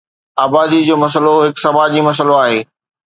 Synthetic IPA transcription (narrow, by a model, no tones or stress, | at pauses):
aːbaːd̪id͡ʑoːmɐs̬əloɦɪksɐmaːd͡ʑĩmɐs̬əloaːɦeː